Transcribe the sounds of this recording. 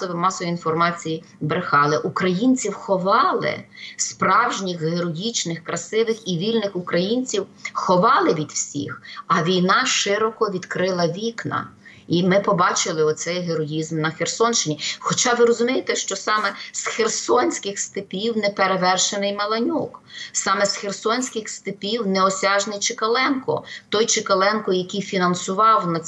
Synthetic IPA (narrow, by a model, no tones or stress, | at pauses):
sɔʋɪmɑsɔjiinfɔrmɑt͡sʲiji | bɾɪxɑlˠɛʔukɾɐjinʲt͡sʲiwxɔʋɑlˠɪ̰spɾɑwʒnʲixɦeɾɔjit͡ʃnɪxkɾɐsɪʋɪxiʋʲilʲnɪxukɾɐjinʲt͡sʲiwxɔʋɑlˠɪʋʲid̪wsʲḭxɐʋʲijnɑʃɪɾɔkɔʋʲid̪kɾɪlˠɐʋʲiknɐ̰ | imɪpɔbɑt͡ʃɪlˠɪɔsɛjɦeɾɔjizmnɐxersɔnʃt͡ʃɪnʲixɔt͡ʃɑʋɪɾɔzʊmʲejet̪ɛʃt͡ʃɔsɑmɛsxersɔnʲsʲkɪxst̪ɪpʲiwnɛpeɾeʋɛrʃenɪjmɐlˠɐnʲuksɑmɛsxersɔnʲsʲkɪxst̪ɪpʲiwnɛɔsʲɑʒnɪjt͡ʃɪkɐlˠɛnkɔ̰t̪ɔjt͡ʃɪkɐlˠɛnkɔjɐkʲijfʲinɐnsʊʋɑwnɐ